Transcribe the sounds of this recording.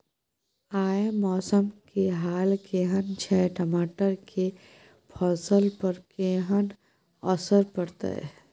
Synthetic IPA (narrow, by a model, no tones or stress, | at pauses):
aːmɔːsəmkeɦaːlkeɦənt͡ʃʰɛːʈəmaːʈəɾkʰe | pʰɔːsəlpəɾkeɦən | ɔsəɾpɐɾt̪a̰